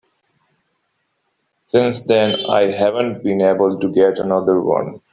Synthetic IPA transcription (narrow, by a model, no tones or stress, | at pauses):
sɪ̃nsd̪ɛ̃na̰ɪɦævə̃nʈ̚bĩneːbəlʈuɡɛʈənʌd̪əɾwʌ̰̃n